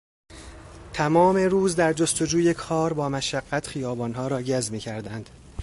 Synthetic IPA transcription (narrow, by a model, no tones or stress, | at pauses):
t̪ʰæmɒːme̞ɾuːzd̪æɾd͡ʒo̞st̪o̞d͡ʒuːje̞kʰɒːɾbɒːmæʃæɢːæt̪ʰxijɒːbɒːnɦɒːɾɒːɟæzmiːcʰæɾd̪ænd̪̥